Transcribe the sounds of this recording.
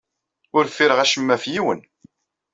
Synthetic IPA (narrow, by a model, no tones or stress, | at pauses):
ʊɾfiɾəʁæʃəmːæfjiwə̰n